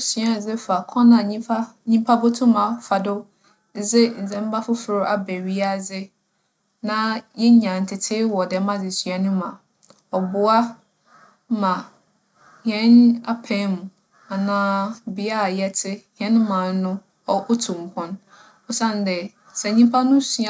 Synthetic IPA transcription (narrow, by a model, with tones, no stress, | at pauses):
si˨˦a˨d͡zɪ˦fa˨kʰɔ̃˦nã˨ɲĩ˦pa˦ɲĩ˦mpʰa˦bo˦tʰũ˦mã˨fa˨dʊ˦ | d͡zɪ˦n̩˨zɛ̃˨˦m˦ba˦fʊ˦fɪ˨ɾʊ˦ʔa˦be˨ɥi˦a˦d͡zɪ˦ | nã˦jɛ˦ɲã˨n̩˨tʰɪ˨tʰɪ˦wɔ˨dɛ˨˦mã˦d͡zɪ˨sɥa˦nʊ̃˦mã˨ | ɔ˨bʊ˨a˦ | mã˨ | hɛ̃˦na˦pʰɛ̃˦mũ˨ | a˨nãː˦bɪ˨a˦˨jɛ˦tʰɪ˦hɛ̃˦n˦mã˨n˦nʊ̃˦ | ɔ˦ʔʊ˦tʰũ˨m˨kʰɔ̃˦n | ɔ˦sã˦˨n˨dɛ˨ | sɛ˨ɲĩ˦mpʰa˦nʊ̃˦su˨a˦˨